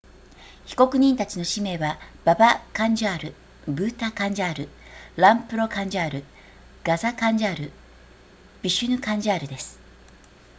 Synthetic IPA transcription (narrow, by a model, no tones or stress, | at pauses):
çi̥ko̞kɯ̟ɲ̟ĩnt̪at͡ɕino̞ɕime̞ːβab̥abakãɲ̟d͡ʑaːɾɯ̟ | bɯ̟ːt̪akãɲ̟d͡ʑaːɾɯ̟ɾãmpɯ̟ɾo̞kãɲ̟d͡ʑaːɾɯ̟ | ɡ̥azakãɲ̟d͡ʑaːɾɯ̟ | b̥ʲiɕɨnɯ̟kãɲd͡ʑaːɾɯ̟d̪e̞sɨ̥